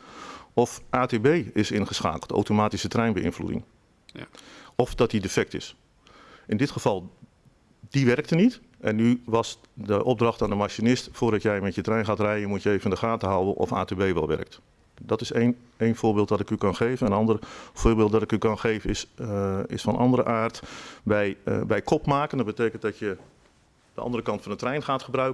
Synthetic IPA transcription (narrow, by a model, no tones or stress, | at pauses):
ɔfʔaːteːbejɪsɪnχəsxa̰ːkl̩ˠto̰wtomaːtisətrɛjnbəɪ̰nflṵdɪ̰ŋ | ɔfdɔt̚didəfɛk̚tɪ̰s | ʔɪndɪtxəv̥ɑlˠ | diʋɛrk̚tənit | ʔɛnːyʋɑs | dəʔɔb̚drɑxtaːndəmaʃinɪstfʊːrdɔtjɛjmɛtjətrɛjnχaːtrɛjənmutjəevəndəχaːtəɦawənʔɔ̰fa̰ːtebejʋɛlˠʋɛ̰rək̚t | dɔtɪsen | eːjnfʊːɹbeɪːlˠtʋɑtɪkykɑnxeːvənɛnənɑndərfʊːɹbɪːlˠt̚dɔtɪkykɑnxejvəɪsɪ̰sfɑnʔɑ̰ndəɾə̰ʔaːrtbɛjbɛjkʰɔpmaːkəndɔd̚bətejkənt̚dɔtjə | d̥əʔɑ̰ndərəkɑntfɑnətrɛjnxaːtχəbrœɥkə